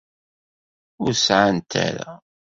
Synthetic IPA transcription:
ʊɾsʕant̪ʰa̰ɾa̰

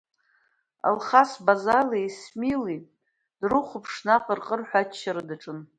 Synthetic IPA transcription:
a̰lχasbazalijsmili | d̥rɨχʷʊpʰʂnaqʼərqʼərħʷᶣat͡ʃːaɾɨdaʈ͡ʂʼɨn

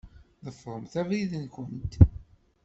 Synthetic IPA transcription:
ðəfʁˤəmθævɾiðənkənt̪

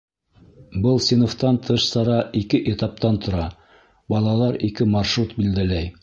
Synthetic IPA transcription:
bɤlˠsʲenoft̪ɑnt̪ʰɤʃsɑɾɑʔikɘʔet̪ɑp̚t̪ɑnt̪ʰŏɾɑ | bɑlˠɑlˠɑɾikɘmɑɾʃɾut̪bild̪ælæj

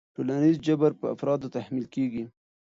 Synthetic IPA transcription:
ʈolanizd͡ʒabaɾpəa̰fɾɑd̪ot̪ahmilkeɡi

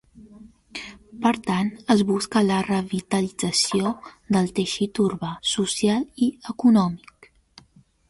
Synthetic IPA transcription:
pəɾt̪anəzβuskələrəβit̪əlid͡zəsiod̪əlˠt̪eʃit̪uɾβasusjaliəkunɔmik

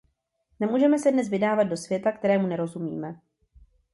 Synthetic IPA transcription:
nɛmuːʒɛmɛsɛdnɛs̬vɪdaːvad̪̚do̞svjɛt̪ak̚t̪ɛɾɛːmunɛɾo̞zumḭːmɛ

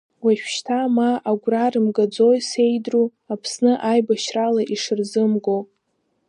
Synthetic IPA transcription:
waʃᶣʃtʰamaːɡʷrarɨmɡad͡zojse̞jdru | apʰsnɨʔajbaʃralaʔiʂɨrzɨmɡo

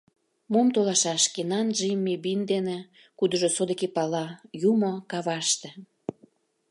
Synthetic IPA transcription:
momt̪olɑʃɑʃkenɑnʒimːebind̪ene | kud̪ə̆ʒosod̪ekepɑlɑjumokɑβɑʃt̪ĕ

